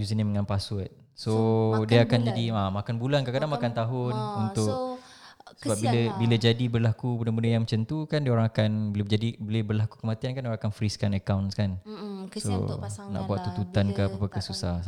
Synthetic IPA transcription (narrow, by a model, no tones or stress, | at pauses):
jus̬iniməŋãnpasʊt̪̚ | sodiəakand͡ʒadiamakanbulankakadaŋmakant̪aɦʊnunt̪ʊk̚ | səbap̚biləbiləd͡ʒadibərlakubənabəndəjaŋmət͡ʃənt̪ukandiaoɾaŋakanbiləd͡ʒadibolebərlakukəmat̪iankanoɾãŋakanfɾiskanəkawnskanso̰na̰ʔbuat̪ːut̪ut̪ankapapakəsusah